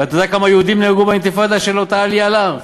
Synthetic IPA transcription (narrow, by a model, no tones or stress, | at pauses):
veat̪od̪akamajeud̪imnehɡubaint̪ifad̪aʃelot̪aalialaʁ